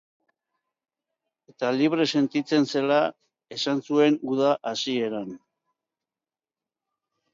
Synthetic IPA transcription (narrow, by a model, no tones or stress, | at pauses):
e̞t̪aliβ̞ɾe̞se̞nt̪it͡se̞nse̞la | e̞sansue̞ŋɡuðaʔasie̞ɾan